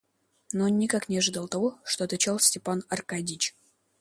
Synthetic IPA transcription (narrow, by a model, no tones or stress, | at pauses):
noonːʲɪkaknʲɪɐʐɨd̪ɑlˠt̪ɐvoʂt̪oɐt̪at͡ɕalˠsʲtʲɪpanɐrkadʲit͡ɕ